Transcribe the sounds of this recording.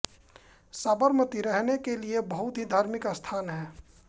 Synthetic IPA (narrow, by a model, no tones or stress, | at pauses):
saːbəɾmət̪iɾɛɦnekeliebəɦʊt̪ɦid̪ʱaːɾmɪkəst̪ʰaːnɦɛː